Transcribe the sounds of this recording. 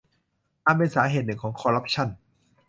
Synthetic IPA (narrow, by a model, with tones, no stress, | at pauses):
t̪aː˧npe˧nsaː˩˦ɦeː˨˩t̪̚nɯ˨˩ŋkʰɔː˩˦ŋkʰɔː˧ɾa˦˥p̚t͡ɕʰa˥˩n